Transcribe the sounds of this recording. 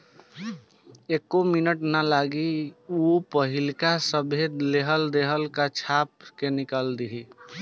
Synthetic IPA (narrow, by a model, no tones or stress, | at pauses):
ekominəʈnalaɡiupəɦilkasəbʱed̪leɦəld̪eɦəlkat͡ʃʰap̚kenikəld̪iɦi